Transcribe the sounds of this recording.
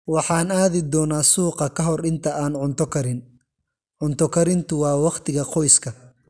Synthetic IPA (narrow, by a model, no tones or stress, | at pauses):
wɑħɑːnaːðɪd̪ɔːnaːsuːqɐkʰɐɦɔrɪnt̪ʰɐaːnʕʊnt̪ʰɔkʰɐɾɪn | ʕʊnt̪ʰɔkʰɐɾɪnt̪ʰʊwɑːwɑqt̪ʰɪɣɐqʰɔjskʰɐ